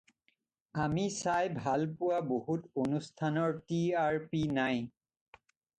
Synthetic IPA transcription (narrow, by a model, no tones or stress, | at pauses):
amisajbʱalpʊwaboɦutonustʰanɔɹtiaɹpinaj